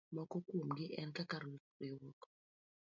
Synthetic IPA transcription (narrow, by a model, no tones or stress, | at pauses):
mɔkɔkwomɡɪʔɛnkakaɾ | ɾɪwɔk